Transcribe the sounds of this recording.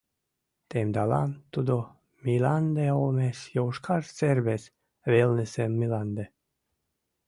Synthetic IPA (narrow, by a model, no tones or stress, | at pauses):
t̪emd̪ala̰mt̪ud̪o | miland̪eolmesjɔwʃkʰaɾt̪seɾbes | velnesemːilˠand̪e